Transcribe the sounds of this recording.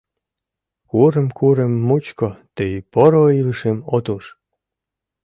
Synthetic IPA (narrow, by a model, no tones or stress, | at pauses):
kuɾəmkʰuɾemːut͡ɕkot̪ejpoɾoiləʃemot̪uʃ